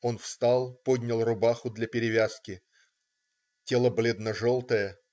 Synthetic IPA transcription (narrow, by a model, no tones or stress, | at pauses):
o̞nfst̪alˠpodʲnʲəlˠrʊbaxʊd̪lʲɐpʲɪɾʲɪvʲaskʲɪ | tʲe̞lˠəblʲed̪nəʐo̞lˠt̪əjə